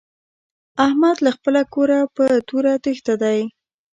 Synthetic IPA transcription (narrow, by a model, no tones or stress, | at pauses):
ahmad̪laxpəlakoɾapət̪uɾat̪əxt̪ad̪aj